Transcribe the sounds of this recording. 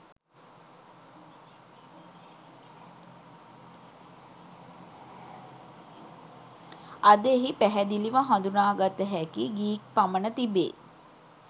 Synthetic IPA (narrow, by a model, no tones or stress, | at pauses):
ad̪eɦipæɦæd̪iliʋaɦãnd̪unaːɡat̪əɦækiɡiːk̚pamənət̪ibḛː